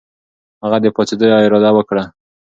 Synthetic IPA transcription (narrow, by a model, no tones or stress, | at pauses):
haɣad̪əpɑt͡s̪ed̪əjoɪɾɑd̪awəkɽa